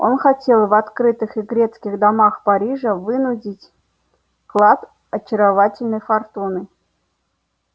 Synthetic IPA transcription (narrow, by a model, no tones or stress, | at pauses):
o̞̰nxatʲe̞lˠvɐt̪kɾɨt̪ɨxiɡɾʲet̪skʲɪɣd̪amaxpaɾʲiʐəvɨnudʲitʲ | klˠat̪ | ɐt͡ɕɪɾɐvatʲɪlʲnɨjfɐrt̪unɨ